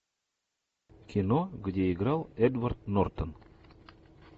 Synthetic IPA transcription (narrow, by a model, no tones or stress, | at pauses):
kʲʰɪnoɡdʲeɪɡɾɑlˠɛd̪vart̪nort̪on